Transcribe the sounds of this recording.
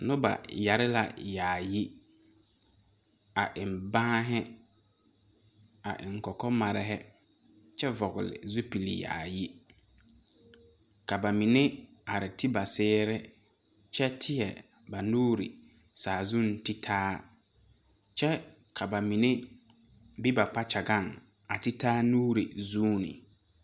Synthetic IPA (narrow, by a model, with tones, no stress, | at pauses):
nʊ˦ba̰˨ja˨ɾɪ˦la̰˨jaː˨ji˦ | a˨ʔɪ˨m˨bãː˦ɦɪ˦ | a˨ʔɪ̰˨ŋ˨kɔ˨kɔ˦ma˨ɾɪ˦ɦɛ˦ | t͡ʃɛ˦vɔ˨ɣʊ˨lɪ̰˨zu˦pi˨lḭ˨ja̰ː˨ji˦ | ka˨ba˨mi˨ne˦ | a˨ɾɪ˨tʰi˦ba˨sɛː˦ɾɛ˦ | t͡ʃɛ˦tʰɪ˦jɛ˨ | ba˨nuː˦ɾḭ˨ | saː˨zu˦ntɪ˦tʰaː˦ | t͡ʃɛ˦ | kʰa˨ba˨mi˨ne˦ | bi˦ba˨k͡pa˦t͡ʃa˨ɡa˦˨ŋ | a˨tɪ˦taː˦nuː˦ɾḭ˨zuː˦nɪ̰˨